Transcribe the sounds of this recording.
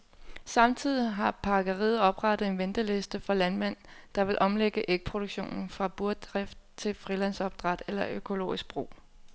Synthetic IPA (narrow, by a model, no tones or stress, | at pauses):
sɑ̈mt͡sʰið̞̰ˠiɦɑ̈pʰɑ̈ɡ̥əʁiːð̩ˠɒ̽b̥ʁɑɾ̥əð̩ˠe̝nʋend̥əle̝sd̥əfɒ̽lænmæn̰d̥ɑ̈ʋe̝lʔɒ̽mleɡ̥əʔeɡ̥ə̥pʰʁo̝ɾ̥u̥ɕo̝̰ːnn̩fʁɑ̈b̥uɐ̥d̥ʁafd̥̚t͡sʰe̝lfʁilæn̰sɒ̽b̥̚d̥ʁɑd̥elɐʔøkʰo̝lo̝̰ːisɡ̥̚b̥ʁo̝̰ː